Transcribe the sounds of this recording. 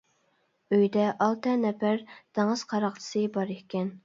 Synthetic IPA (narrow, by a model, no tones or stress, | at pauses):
øjd̪ɛʔɑlˠt̪ɛnɛpæɾd̪̥ʰɑŋɨz̥qʰɑɾɑqt̪ʰɨ̥sɨbɑɾehkʲːɛn